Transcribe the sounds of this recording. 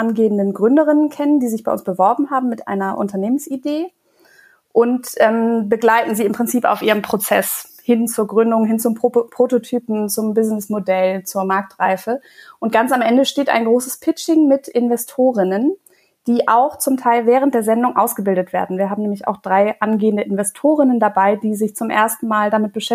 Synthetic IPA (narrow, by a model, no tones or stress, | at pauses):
ʔanɡeːəndənɡʁʏndəʁɪnənkʰɛnəndiːzɪçb̥aɪʊ̰nsb̥əvɔɐbm̩ɦaːbm̩mːɪtʔa̰ɪnɐʔʊ̰ntɐneːmənsideː | ʔʊntʔɛːmbəɡlaɪtn̩ziːɪmpʁ̥ɪnt͡siːpa̰ʊfʔiːʁəmpʁ̥ot͡sɛs | hɪnt͡suːɐɡʁʏndʊŋɦɪnt͡sʊmppʁ̥ototʰyːpm̩t͡sʊmbɪznɪsmodɛlt͡suːɐmaɐk̚tʁ̥aɪfə | ʔʊnt̚ɡ̥ant͡samʔɛndəʃteːta̰ɪnɡʁoːsəspʰɪt͡ʃɪŋmɪtʔɪnvɛstʰoːʁ̞ɪnən | d̥iːʔaʊxt͡sʊmtʰaɪlvɛːʁ̞əntd̥eːɐzɛndʊŋʔaʊsɡ̥əbɪldətv̥ḛːɐdn̩viːɐɦaːbm̩nɛːmlɪça̰ʊxd̥ʁaɪʔanɡeːəndəʔɪnvɛstʰoːʁ̞ɪnəndabaɪdiːzɪçt͡sʊmʔḛːɐstn̩maːldamɪt̚b̥əʃɛ